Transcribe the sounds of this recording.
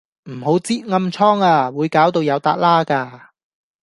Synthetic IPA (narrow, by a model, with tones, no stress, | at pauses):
m̩˨˩ho˨˥wt͡siː˥t̚ŋɐ˧mt͡sʰɔː˥ŋaː˧˩wuː˨˧jkaː˨˥wt̪o˧wjɐ˨˧wt̪aː˧t̚laː˥kaː˧